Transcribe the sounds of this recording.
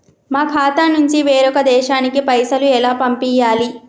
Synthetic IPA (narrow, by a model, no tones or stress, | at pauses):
maːkʰaːt̪anuɲt͡ʃiʋeːɾɔkɐd̪ɛːʃaːnikipɐjsɐluɛlaːpɐmpijaːli